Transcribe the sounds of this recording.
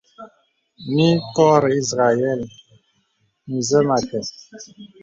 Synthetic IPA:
mi˦kɔ˦ɾɛ˨i˦zɣa˨jɛ˦˨l | ni˨zɛ˦ma˨kɛ˨

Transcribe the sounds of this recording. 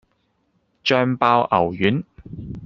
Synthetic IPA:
t͡ʃœː˧mpaː˧wʔɐ˨˩wjyː˨˥n

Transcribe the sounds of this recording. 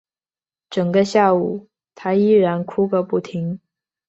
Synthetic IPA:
ʈ͡ʂɤ˨˩ŋɡə˦ɕja˥˩u˨˩˦ | t̪ʰa˥i˥˩ɻa˧˥nkʰu˥kə˧pu˥˩t̪ʰi˧˥ŋ

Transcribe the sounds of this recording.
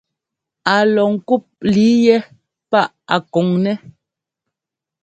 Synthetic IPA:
a˨lɔ˨ŋ̩˦ku˦˨p̚li˨˦jɛ˦ | pa˦˨ʔa̰˨kɔ˨ŋnɛ˦

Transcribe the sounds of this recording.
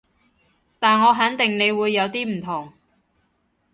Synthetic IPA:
t̪aː˨nŋɔː˨˧ɦɐ˨˥ŋt̪ɪ˨ŋne˨˧jwuː˨˧jːɐ˨˧wt̪iː˥m̩˨˩t̪ʰʊ˨˩ŋ

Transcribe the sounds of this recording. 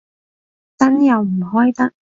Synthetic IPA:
t̪ɐ˥njɐ˨˧wm̩˨˩ɦɔː˥jt̪ɐ˥k̚

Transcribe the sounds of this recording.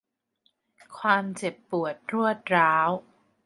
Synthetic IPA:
kʰwaː˧mt͡ɕe˨˩pːu˨˩ət̪̚ɾu˥˩ət̪̚ɾaː˦˥w

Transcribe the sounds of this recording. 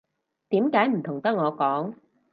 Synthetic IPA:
t̪iː˨˥mkaː˨˥jm̩˨˩t̪ʰʊ˨˩ŋt̪ɐ˦˥ŋɔː˨˧kɔː˨˥ŋ

